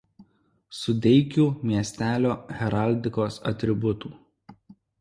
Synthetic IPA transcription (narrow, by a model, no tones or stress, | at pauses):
sʊd̪ʲɛɪkʲuːmʲiɛsʲt̪ʲæːlʲoːɣʲɛɾɐˑlʲd̪ʲɪkoːsɐ̰t̪ʲɾʲɪbʊt̪uː